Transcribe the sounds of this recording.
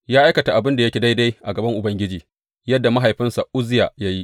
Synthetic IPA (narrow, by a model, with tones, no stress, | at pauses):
jaː˦ʔa˦jkɐ˨ta˨ʔa˨bɪ˦nda˨jɐ˦kʲe˨da˦jda˦jʔa˨ɡɐ˨bɐ˦ŋʔʊ˨bɐ˦ŋɡʲɪ˦d͡ʒiː˨ | jɐ˦dːa˨ma˦ɦa˨jɸɪ˦nsa˨ʔʊ˦zɪ˦ja̰ː˨ja˦ji˦ʔ